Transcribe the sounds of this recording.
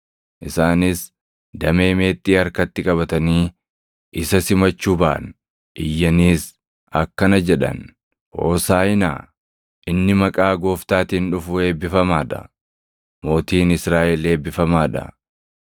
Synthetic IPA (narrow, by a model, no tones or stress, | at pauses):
ʔɪsaːnɪs | d̪ɐme̞ːme̞ːt̪ːiːɐɾkɐt̪ːɪkʼɐbɐt̪ɐniː | ʔɪsɐsɪmɐt͡ʃːuːbɐʔn | ʔɪjːɐniːs | ɐ̰kːɐnɐd͡ʒɛᶑɐ̰n | ho̰ːsaːɪna̰ː | ʔɪnːɪmɐkʼaːɡo̞ːft̪aːt̪iːnᶑʊfʊe̞ːbːɪfɐmaːᶑɐ̰ | mo̞ːt̪iːnɪsɾaːʔɛle̞ːbːɪfɐmaːᶑɐ̰